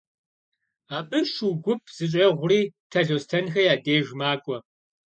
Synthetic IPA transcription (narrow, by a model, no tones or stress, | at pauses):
aːpʼɨʃuɡʷʊpʰz̥ɨɕʼɐʁʷʊriːtʰɐɮoːstʰɐnxɐjaːdeːʒmaːkʷʼɔ